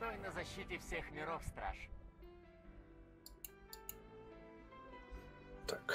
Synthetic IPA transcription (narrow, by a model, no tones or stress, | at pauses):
t̪oɪnəzɐɕːitʲɪfsʲexmʲɪɾofst̪ɾa̰ʂ | k